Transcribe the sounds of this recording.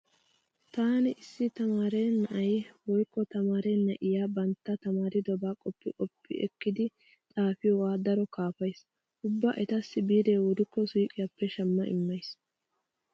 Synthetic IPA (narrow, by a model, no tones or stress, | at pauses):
t̪aːnɪʔɪsːɪt̪ɐmaːɾeːnːɐʔɐjwɔjkːɔt̪ɐmaːɾenːɐʔɪjaːbɐnt̪ːɐt̪ɐmaːɾɪd̪ɔbaːkʼɔpːɪkʼɔpːɪ̰ʔɛ̰kːɪd̪ɪ | t̪ʼaːfɪjɔwaːd̪ɐɾɔkaːfɐjs | ʔʊbːɐʔɛt̪ɐsːɪbiːd̪eːwɔd̪ʊkːɔsuːkʼɪjapːɛʃɐmːɐʔɪ̰mːɐjs